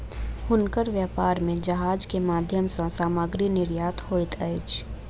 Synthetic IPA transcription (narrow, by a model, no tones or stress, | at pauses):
hʊnkəɾʋjaːpaːɾmẽd͡ʒɐɦaːd͡ʒkemaːd̪ʱjəmsãsaːmaːɡɾinɪɾjaːt̪hoːɪt̪ʰəet͡ʃ